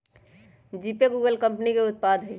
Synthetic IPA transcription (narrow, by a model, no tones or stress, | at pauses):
d͡ʒipeɡuːɡəlkə̃mpnikeʊt̪̚pad̪ʱɦʊj